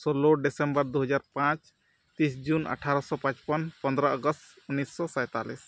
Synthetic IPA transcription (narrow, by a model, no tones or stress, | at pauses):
soloɖesembɔɾd̪uɦʌd͡ʒaɾpãt͡ʃ | t̪isd͡ʒunə̰ʈʰaɾɔsɔpãt͡ʃpɔnpɔ̃nd̪ɾaɔɡɔst̪ | unːisːɔsɔ̃jt̪alis